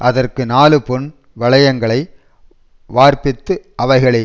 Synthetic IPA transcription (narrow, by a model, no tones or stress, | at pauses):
ʔɐðɐrkɯnaːlɯpɔn | ʋɐɭɐjɐŋɡɐɭɐɪ | ʋaːɾpɪt̪ːɯʔɐʋɐɪɣɐɭɐ